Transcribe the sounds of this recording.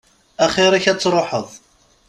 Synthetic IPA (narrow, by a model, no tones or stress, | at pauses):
æχiɾæçæt͡sːɾˤoħəðˤ